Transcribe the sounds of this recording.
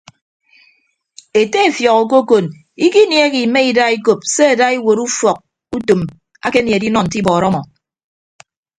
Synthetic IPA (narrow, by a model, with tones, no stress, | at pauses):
e˨te˦e˨fjɔ˨ko˨k̬o˦ko˨n | i˦ki˦nje˦ɣi˨me˦i˨da˦i˦ko˨p̚se˦a˨da˦i˦wo˨ɾu˦fɔ˨k̚ | u˦to˨m | a˦ke˦nje˨di˦nɔ˨n̩˨t̬i˦bɔː˨ɾɔ˦mɔ˨